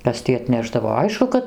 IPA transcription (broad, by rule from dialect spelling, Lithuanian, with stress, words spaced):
ˈkɐs tʲiː ɐtʲˈnʲæːʒdɐʋoː ˈɐɪʃkʊ kɐt